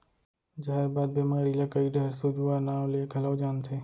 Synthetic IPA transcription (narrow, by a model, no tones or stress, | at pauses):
d͡ʒɐɦəɾbaːd̪̚bemɐɾiːlakɐiɖɐɾsʊd͡ʒuaːnaːõlekɐlawd͡ʒaːnt̪ʰeː